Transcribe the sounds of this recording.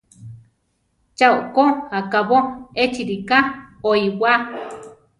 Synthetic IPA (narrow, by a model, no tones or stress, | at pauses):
t͡ʃaukohakaβoet͡ʃiɾikaoiwʷa